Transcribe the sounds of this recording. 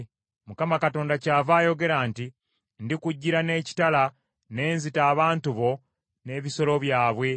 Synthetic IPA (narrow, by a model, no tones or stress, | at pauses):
mukamakato̞ːndacaːvaːjo̞ɡe̞ɾanti | ndikuɟːiɾane̞ːci̥tala | ne̞ːnzitaːβaːntuβo̞ | ne̞ːβiso̞lo̞βjaːβwe̞